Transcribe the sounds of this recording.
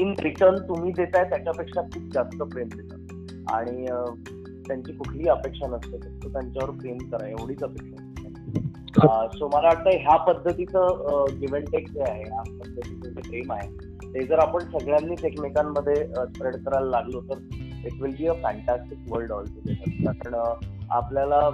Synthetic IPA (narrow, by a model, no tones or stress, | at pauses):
inpɾiʈənt̪um̤iːd̪et̪ajt̪jat͡ɕjaəpekʂakʰuːp̚d͡zast̪əpɾemd̪et̪ə | a̰ɽ̃iə | t̪jaɲt͡ɕiːkukʰliːəpekʂənəst̪et̪ət̪ot̪jaɲt͡ɕjaʋəɾpɾemkəɾajeʋɽiːt͡səpekʂənt̪a | soməlaʋaɽt̪ajɦjapəd̪ʱːət̪it͡səɡiʋəɳʈek̚d͡zeaɦeɦapəd̪ʱːət̪it͡səd͡ʑepɾemaɦe | t̪ed͡zəɾapəɳsəɡɭjanːiːʈeknikamːəd̪ʱːjeəspɾeɽkəɾalːaɡlət̪əɾiʈʋilbiːəfɛɳʈasʈikʋəlɖɔlʈud̪esat̪at̪əɳa̰pljala